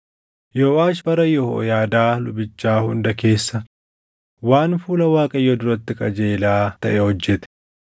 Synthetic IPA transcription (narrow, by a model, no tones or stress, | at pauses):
joːʔaːʃbɐɾɐjɔo̰jaːd̪aːlʊbɪt͡ʃːaːhʊnd̪ɐke̞ːsːɐ | waːnfuːlɐwaːkʼɐjːɔd̪ʊɾɐt̪ːɪkʼɐd͡ʒeːlaːt̪ɐʔɛhɔd͡ʒːɛt̪ɛ̥